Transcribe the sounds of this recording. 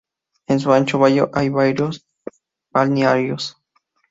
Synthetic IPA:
ens̬uant͡ʃoβajoʔajβaɾjos | balneaɾjos

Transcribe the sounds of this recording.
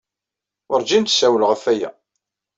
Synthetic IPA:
ʊɾd͡ʒint̪sæwəlʁəfæjæ̰

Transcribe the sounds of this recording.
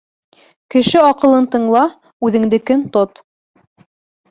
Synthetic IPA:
kɘ̆ʃɘɑqɤ̆lˠɤnt̪ɤ̆ɴlˠɑ | ʉðɘ̆ŋd̪ɘkɵnt̪ot̪

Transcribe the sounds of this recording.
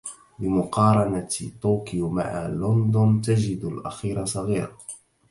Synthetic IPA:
bɪmʊqɑːɾˤɑnat̪oːkɪjma̰ʕa̰lʊnd̪ʊnt̪ad͡ʒɪd̪alʔaxiːɾasˤɑɣiːɾ

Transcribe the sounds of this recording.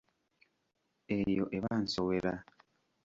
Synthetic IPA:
ejoʔeβan̩soweɾa

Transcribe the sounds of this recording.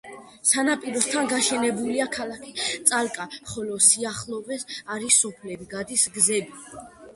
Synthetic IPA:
sanapʼiɾɔst̪ʰanɡaʃɛnɛbuliakʰalˠakʰit̪sʼalkʼaχɔlɔsiaχlˠɔvɛsaɾisɔpʰlɛbiɡad̪isɡzɛbi

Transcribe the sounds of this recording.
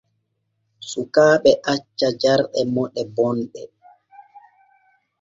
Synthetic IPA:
sukaːɓɛʔat͡ʃːad͡ʒaɾɗɛmɔɗɛbɔnɗɛ

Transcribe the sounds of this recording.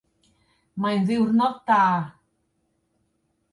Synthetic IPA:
majnziwɾnɔt̪a

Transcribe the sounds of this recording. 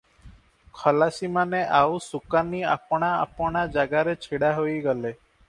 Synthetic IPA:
kʰəlasimaneʔausukania̰pɽ̃aa̰pɽ̃ad͡ʒaɡaɾet͡ʃʰiɽaɦoiɡəle

